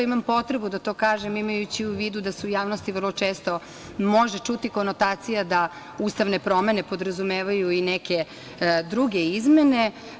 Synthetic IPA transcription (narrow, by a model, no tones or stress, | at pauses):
imampo̞t̪ɾebud̪at̪o̞ːkaːʒemimajut͡ɕiuʋiːd̪ud̪aseujaːʋno̞st̪iʋərlˠot͡ʃeːst̪o̞ | mo̞ʒet͡ʃut̪iko̞not̪aːt̪sijad̪a | ust̪aʋne̞pɾo̞me̞nepo̞d̪ɾazumeːʋajuineke | d̪ɾuɡeizme̞ne̞